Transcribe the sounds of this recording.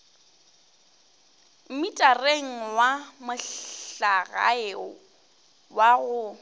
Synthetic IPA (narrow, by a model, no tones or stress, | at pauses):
m̩mitʼareŋ̩wamʊɬaɣa̰eʊ | waɣʊ